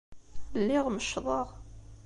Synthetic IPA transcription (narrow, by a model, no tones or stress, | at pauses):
lːɪʁməʃðˤɑʁ